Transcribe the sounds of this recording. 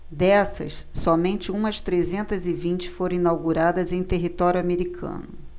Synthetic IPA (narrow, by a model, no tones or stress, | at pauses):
d̪ɛsɐ̰sːɔmẽnt͡ʃɪũmɐst̪ɾezẽnt̪ɐzɪvĩnt͡ʃɪ̥foɾɐ̃ĩnawɡuɾad̪ɐzẽj̃t̪eɦit̪ɔɾjuameɾikʰɐ̰̃nʊ